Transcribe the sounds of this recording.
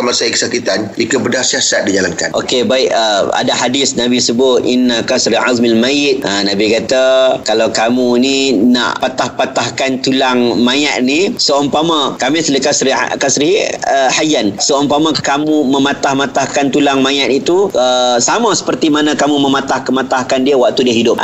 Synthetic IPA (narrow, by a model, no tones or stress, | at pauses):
masaikə̥sakit̪anikəbədahsiasat̪̚did͡ʒalanka̰nʔokebaɪʔəa̰daɦadɪsnabisəbʊt̪̚ʔinːakasɾiʔa̰zmalmajɪt̪̚ʔənabikat̪akalawkamunina̰ʔpat̪ahpat̪ahkant̪ulaŋmãjaʔnisoɔmpamãkamɪsləkasɾḭkasɾihajansəɔmpamakamuməmat̪ahmat̪ahkant̪ulaŋmãjaʔ̪it̪uəsamãsə̥pərt̪imanãkamumə̃mat̪ahkəmat̪ahkandiəwaʔ̚t̪udiəɦidʊp̚ʔ